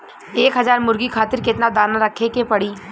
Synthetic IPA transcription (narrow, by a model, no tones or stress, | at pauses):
eːkɦɐzaːɾmʊɾɡikʰaːt̪ɪɾkɪt̪nad̪aːnaɾɐkʰekepɐɽiː